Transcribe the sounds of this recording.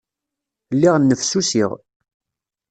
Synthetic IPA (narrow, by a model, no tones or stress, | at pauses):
lːiʁnːəfsusiʁ